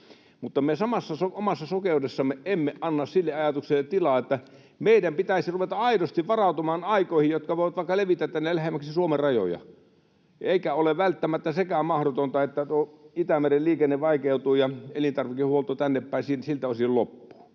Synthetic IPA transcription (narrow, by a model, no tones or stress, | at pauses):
mut̪ːɑmesɑmɑsːɑsoomɑsːɑsokeˑudesːɑmːeʔemːeʔʔɑnːɑssilːeɑjɑt̪ukselːˑet̪t̪ilɑˑet̪ːæ | meidæmpit̪æisiruʋet̪ɑɑidost̪iʋʋɑrɑut̪umɑːnɑikoˑihijjot̪kɑʋoˑiʋɑt̪ʋɑˑikːɑleʋit̪ːˑæt̪ːænːelæhemːˑæksisuomerrɑjo̰jɑ̰ | eikæoleʋʋælt̪ːæmæt̪ːæsekæmɑhɾot̪ont̪ɑet̪ːæt̪uoit̪æmerelliːkenːeʋʋɑˑikeut̪uːjɑelint̪ɑrʋikihuolt̪ot̪ænːepːæˑisinsilt̪æosʲillopːu̥ː